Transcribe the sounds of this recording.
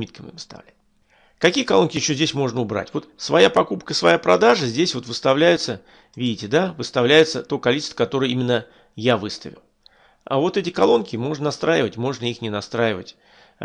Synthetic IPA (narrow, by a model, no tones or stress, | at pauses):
mʲit̪̚kəmɨ̰vɨ̥st̪a̰vlʲæt̚ʲ | kɐkʲijəkɐlˠo̞nkʲɪjɪɕːozʲdʲesʲmo̞ʐnəʊbɾa̰tʲvo̞t̪svɐjapɐkupkəɪsvɐjapɾɐd̪aʐəzʲdʲesʲvo̞t̪vɨst̪ɐvlʲæjʊt̪sə | vʲidʲɪtʲɪd̪avɨst̪ɐvlʲæjɪt̪sət̪o̞kɐlʲit͡ɕɪst̪vəkɐt̪o̞ɾɨjəimʲɪnːə | javɨst̪əvʲɪ̰lˠ | a̰vo̞t̪ɛt̬ʲɪkɐlˠo̞nkʲɪmo̞ʐnənɐst̪ɾajɪvətʲmo̞ʐnəixnʲɪnɐst̪ɾajɪvə̰tʲ